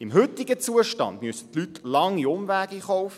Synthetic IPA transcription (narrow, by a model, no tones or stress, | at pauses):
imɦʏt̪iɡət͡suəʃtɑ̰nd̪myəsə̥t̪lytlɑŋːiʊmʋæːɡiːχɔwfə